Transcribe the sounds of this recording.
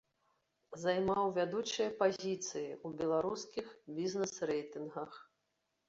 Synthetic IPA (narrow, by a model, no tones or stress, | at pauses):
zajmawvʲad̪ut͡ʂɨjɐpazʲit̪sɨjiubʲɛlˠaɾuskʲixbʲiznɛsrɛjt̪ɨnɣɐx